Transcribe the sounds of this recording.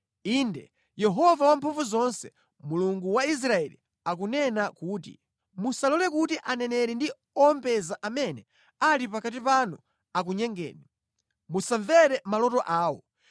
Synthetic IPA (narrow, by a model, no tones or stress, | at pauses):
iːndɛ | jɛɦɔvawampʰuɱvuzɔnsɛ | muluŋɡuwais̬ɾaɛlḭ | ak̬unɛnakuːt̬ḭ | musalɔlɛkutiʔanɛnɛɾɛndi | ɔɔmpɛzaʔamɛnɛ | aɾipakat̬ipanu | ak̬uɲɛŋɡɛ̰ːni | musaɱvɛɾɛmalɔtɔʔaːwɔ